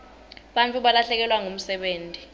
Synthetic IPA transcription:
ɓant͡fʼuɓalaɬɛk̬ɛlwaŋom̩sɛɓeːntʼi

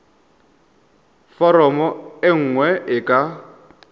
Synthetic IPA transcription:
fɔɾɔmɔɪŋ̩ŋwɛʔɪkʼa

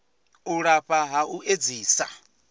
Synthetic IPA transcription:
uɺaɸaɦauʔed͡ziːsa

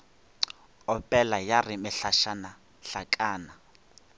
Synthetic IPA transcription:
ɔpʼɛlajarimɪɬaʃana | ɬakʼaːna

